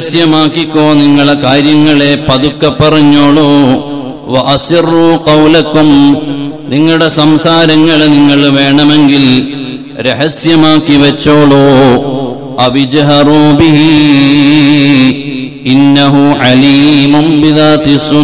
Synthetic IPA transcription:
sjɐmaːkːikʲːoːniŋːɐɭkaːɾjɐŋːɐɭe̞pɐðukːɐpːɐrɐɲːoːɭo | ʋɐʔɐsirːuːqɐwlɐkum | niŋːɐɭuɽesɐmsaːɾɐŋːɐɭniŋːɐɭʋe̞ːɳɐme̞ŋɡil | ɾeɦɐsjɐmaːkːiʋɐt͡ɕːo̞ːɭoː | ɐʋid͡ʒɦɐɾuːbiɦi | inːɐɦuʕaliːmunbiðaːt̪isu

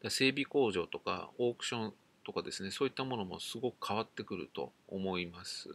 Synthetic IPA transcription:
d̪̥ase̞ːbʲiko̞ːʑo̞ːt̪o̞ka̰o̞ːkɯ̟̥ɕõ̞n | t̪o̞kad̪e̞sɨne̞so̞ːit̪ːamo̞no̞mo̞̰sɨɡo̞kɯ̟̥kʰaβ̞at̪ːe̞kɯ̟ɾɯ̟̰t̪o̞̰ːmo̞imasɨ̰

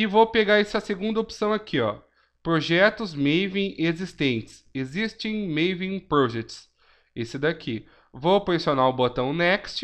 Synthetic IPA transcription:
ɪvowpeɡaɾɛsɐseɡũnd̪ɐopsɐ̃w̃akʰiɔ | pɾoʒɛt̪ʊzmejvĩʔezist̪ẽnt͡ʃɪ̥sezist͡ʃẽj̃mevĩj̃pɾɔʒet͡ʃs | esɪd̪akʰi | vopoisionaʊbot̪ɐ̃w̃nɛkst͡ʃɪ

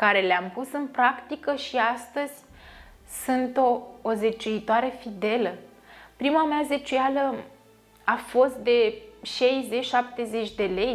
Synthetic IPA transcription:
kaɾe̞leampusɨnpɾakt̪ikəʃiast̪əz̥ʲ | sɨnt̪oːze̞t͡ʃuit̪oaɾe̞fid̪e̞lə | pɾimameazet͡ʃujalə | afo̞st̪̚d̪e̞ʃejze̞t͡ʃʃap̚t̪e̞ze̞t͡ʃʲd̪e̞le̞j

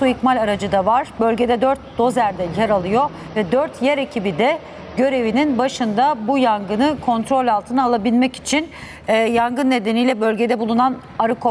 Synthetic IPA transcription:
suicmalʲaɾad͡ʒɯd̪avaɾ̥bø̞lʲɟe̞d̪ɛd̪øɾt̪̚d̪o̞zæɾd̪ɛjɛɾalˠɯjo̞ | vɛd̪øɾt̪ʰjɛɾecʰibid̪ɛ | ɟø̞ɾe̞vininbaʃɯnd̪abujaŋɡɯnɯkʰo̞nt̪ɾo̞lʲalˠt̪ʰɯnɯalˠabilʲmɛci̥t͡ʃʰinː | jaŋɡɯnːe̞d̪enijlʲɛbø̞lʲɟe̞d̪ɛbulˠunan | aɾɯkʰo

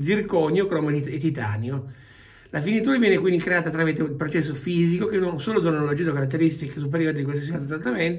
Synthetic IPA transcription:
zirkɔɲːokɾɔːmet̪it̪a̰ːnjo | lafinit̪uːɾavjɛnekwind̪ikɾeaːt̪at̪ːɾamit̪eupɾot͡ʃɛs̬ːofiːzikokenonsoːlod̪onolod͡ʒid̪okaɾat̪ːeɾist̪ikes̬up̬eɾjoːɾid̪ikwalsis̬ialt̪ot̪ɾat̪ːament̪

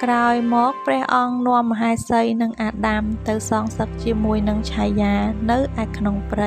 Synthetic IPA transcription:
kraɔjmɔːk̚prɛ̆əhʔɑŋnŏəmːəɦaɛsəjnɨŋʔaːɗamt̪ɨwsɑːŋsək̚t͡ɕiəmuəjnɨŋt͡ɕʰajːaːnɨwʔaɛkʰnoŋprɨ

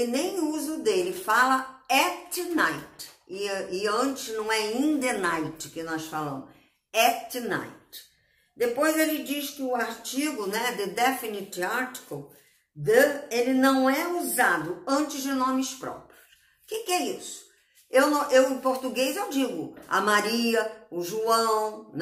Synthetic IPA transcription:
ɪnẽj̃uzʊd̪elɪfalɐɛtnajtɪɪɐ̃t͡ʃɪsnɐ̃w̃ɛĩnd̪enajt͡ʃɪ̥kɪnɔsfalɐ̰̃mʊs | ɛtna̰jt | d̪epojzelɪd͡ʒiʃkɪʊaɾt͡ʃiɡʊnɛd̪ed̪ɛfinitiaɾti̥kɐw | d̪ɐelɪnɐ̃w̃ɛuzad̪ʊɐ̃nt͡ʃɪzd͡ʒɪnõmɪspɾɔ̰pɾijʊs | kɪkɪɛisʊ̥ | ewnɐ̃w̃ʔewɪ̃poɾt̪uɡejzewd͡ʒiɡʊɐ̰maɾiɐʊʒuɐ̃w̃n

